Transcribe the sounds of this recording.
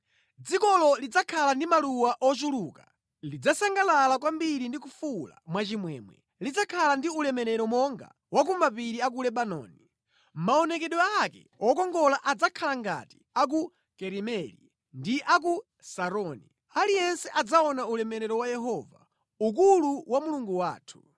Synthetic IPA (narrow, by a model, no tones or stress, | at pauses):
d͡zikɔlɔlid͡zakʰalandimaluwaʔɔt͡ʃuluːka | lid͡zasaŋɡalalakwambiɾindikufula̰mwat͡ʃimwɛ̰ːmwɛ̰ | lid͡zakʰalandiulɛmɛɾɛɾɔmɔŋɡa̰ | wak̬umapiɾiak̬ulɛɓanɔ̰ːni | maɔnɛkɛɗɔakɛ̰ | ɔkɔŋɡɔlaʔad͡zakʰalaŋɡa̰ti̥ | ak̬u | kɛɾimɛlḭ | ndiʔak̬u | saɾɔːni | alijɛnsɛʔad͡zaɔnaulɛmɛɾɛɾɔwajɛɦɔːva̰ | uk̬uluwamuluŋɡuwa̰ːtʰu̥